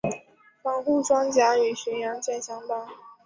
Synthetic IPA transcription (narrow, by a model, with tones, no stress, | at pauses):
fɑ˥ŋxu˥˩ʈ͡ʂwɑ˥ŋt͡ɕja˧˥y˨˩ɕɛ˧˥njɑ˧˥ŋt͡ɕjɛ˥˩nɕjɑ˥ŋp̪a˥ŋ